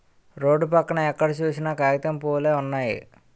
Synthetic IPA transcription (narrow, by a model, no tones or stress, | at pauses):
ɾo̞ːɖːupɐkːɐɳɐɛkːɐɽɐt͡ʃuːsinɐkaːɾit̪ɐmpoːleːunːaːjḭ